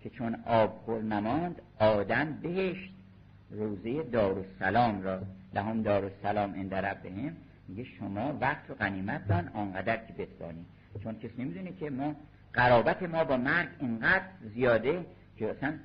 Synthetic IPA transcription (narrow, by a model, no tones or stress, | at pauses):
cʰe̞t͡ʃʰonɒːbxoɾnæmɒːnd̪ | ɒːd̪æmbe̞ɦeʃt̪ | roːzejed̪ɒːɾosælɒːmɾɒːlæɦɒːmd̪ɒːɾosælɒːmʔend̪æɾæbbeɦem | miɟeʃomɒːvæχt̪ʰoɣæniːmæt̪̚ʰd̪ɒnʔɒnɡæd̪æɾcʰebesbɒ̰ːniː | t͡ʃʰoncʰesiːnemid̪unecʰemɒː | ɢæɾɒːbæt̪ʰemɒːbɒːmæɾɡeŋɡæd̪ɾzijɒːd̪e | cʰeæsæn